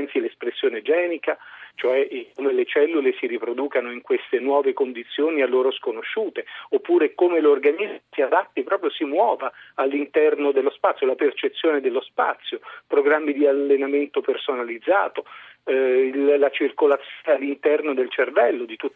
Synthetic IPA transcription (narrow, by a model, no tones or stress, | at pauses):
nsilespɾesːjoːned͡ʒɛːnikat͡ʃoɛʔkomelet͡ʃɛlːulesiɾipɾod̪uːkanoiŋkwest̪enwɔːvekond̪it̪sːjoːnialːoːɾoskonoʃːuːt̪eopːuːɾekomelorɡanizsiad̪at̪ːipɾɔːpɾjosimwɔːvaːlːint̪ɛrnod̪elːospat̪sːjolapert͡ʃet̪sːjoːned̪elːospa̰t̪sːjopɾoɡɾamːid̪ialːenament̪opersonalid̪zːa̰ːt̪o | ilːat͡ʃirkolat̪sjnealːint̪ɛrnod̪elt͡ʃervɛlːod̪it̪ut̪ː